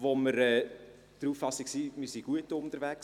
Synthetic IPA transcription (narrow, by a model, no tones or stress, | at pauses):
voməɾɛː | d̥əɾuːffɑsiksiːmɪɾsiɡ̥uətʊnt̪əɾvæks